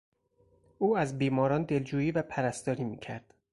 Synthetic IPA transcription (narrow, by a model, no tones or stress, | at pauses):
ʔuːæzbiːmɒːɾɒːnd̪e̞ld͡ʒuːjiːvæpʰæɾæst̪ɒːɾiːmḭːcʰæɾd̪̥